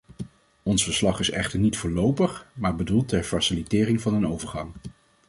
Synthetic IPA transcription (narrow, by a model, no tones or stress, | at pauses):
ɔnsfəɹslɑχɪsɛ̰χtəɹnitfʊːlowpəχmaːɹbədulˠtɛɹfɑsɪlitɪːrɪŋvɑnənowvəɹχɑŋ